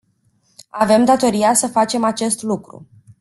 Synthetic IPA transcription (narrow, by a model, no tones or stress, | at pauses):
ave̞md̪at̪o̞ɾiasəfat͡ʃe̞mat͡ʃe̞st̪lukɾṵ